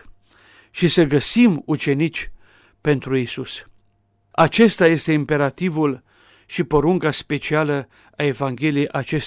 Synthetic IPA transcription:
ʃisəɡəsimut͡ʃe̞nit͡ʃʲ | pe̞nt̪ɾuisus | at͡ʃe̞st̪aje̞st̪e̞impe̞ɾat̪ivul | ʃipo̞ɾuŋkaspe̞t͡ʃialə | ae̞vaŋɡʲe̞liejʔat͡ʃe̞s

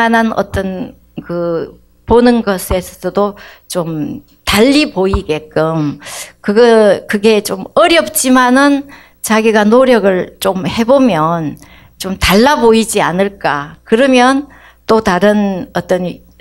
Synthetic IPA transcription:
ananʌ̰t͈ʌn | kɯ | ponɯnɡʌsʰe̞sʰʌ̥sʰʌdot͡ɕom | taʎːiboiɡe̞k͈ɯmkɯɡʌkɯɡe̞t͡ɕomʌɾjʌp̚t͡ɕ͈imanɯn | t͡ɕaɡiɡanoɾjʌɡɯɭt͡ɕomhe̞bomjʌn | t͡ɕomtaɭːaboid͡ʑianɯɭk͈akɯɾʌmjʌn | t͈otaɾɯnʌt͈ʌn

